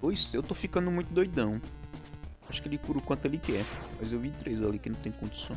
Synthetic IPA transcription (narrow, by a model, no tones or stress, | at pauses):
pojsewt̪ofikɐ̃nd̪ʊmũj̃t̪ʊd̪ojd̪ɐ̃w̃ | aʃʊ̥kɪelɪkuɾʊkwɐ̃nt̪ʊelɪkɛmɐjzewvit̪ɾejzalikɪnɐ̃w̃t̪ẽj̃kõd͡ʒi̥sõ